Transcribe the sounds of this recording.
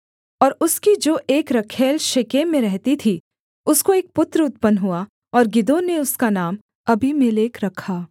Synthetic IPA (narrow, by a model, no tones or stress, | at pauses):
ɔːɾʊskid͡ʒoːʔeːkɾɐkʰeːlʃɪkemẽɾɛɦt̪it̪ʰi | ʊskoeːk̚pʊt̪ɾəʊt̪̚pənɦua | ɔːɾɡɪd̪oːneʊskanaːm | ɐbʱimeleːkɾɐkʰaː